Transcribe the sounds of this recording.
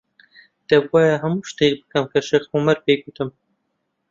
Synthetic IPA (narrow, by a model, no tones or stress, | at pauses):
d̪̥ɛbwɑːjɛɦɐmuːʃt̪ek̚bɨkɐmkʰɐʃexomɐɾpeːɡut̪ʰɨm